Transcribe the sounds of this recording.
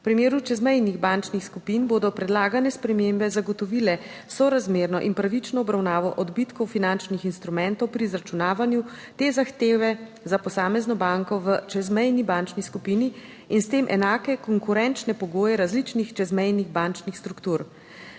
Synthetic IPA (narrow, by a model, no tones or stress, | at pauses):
pɾimeːɾut͡ʃɛzmɛjniɣbant͡ʃnixskupinboːd̪ɔpɾɛd̪laːɡanɛspɾɛmembɛzaɡɔt̪ɔʋilɛ | sɔɾazmeːɾnɔʔinpɾaʋit͡ʃnɔːbɾawnaːʋɔʔɔd̪bit̪kɔwfinant͡ʃnixinst̪ɾumɛnt̪ɔwpɾizɾat͡ʃunaːʋanju | t̪eːzaxt̪eːʋɛ | zapɔsaːmɛznɔbaŋkɔʋət͡ʃɛzmɛjnibant͡ʃniskupini | inst̪emʔɛ̰naːkɛkɔŋkuɾɛnt͡ʃnɛpɔɡoːjɛɾazlit͡ʃnixt͡ʃɛzmɛjniɣbant͡ʃnixst̪ɾukt̪uɾ